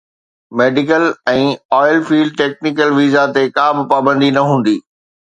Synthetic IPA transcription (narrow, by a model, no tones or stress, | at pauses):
meːɖɪkəlɛ̃ːɔːɪlfiːlɖ̚ʈeːk̚nɪkəlʋiːzat̪ekãːbɪpaːbə̃nd̪inɐɦũːn̆d̪iː